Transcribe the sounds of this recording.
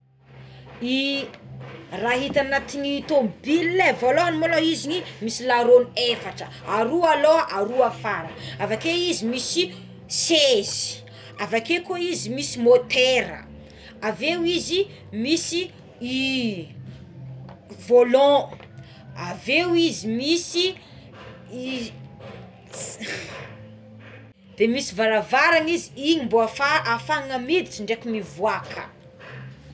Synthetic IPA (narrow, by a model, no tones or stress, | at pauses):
i | raɦit̪anat̪iɲit̪ombililevolɔ̃animoloizinimisilaɾonefaʈ͡ʂə | aɾualoʔaɾuafaɾavakeizimisi | sezi̥ | avakekoizimisimot̪eɾə̰ | avewizi | misi | i | volɔ̃ | avewizimisi | i | d̪̥emisivalavaɾaŋiziiɲimboafaʔafaŋamid̪it͡siɳɖ͡ʐekimivwakʰə̰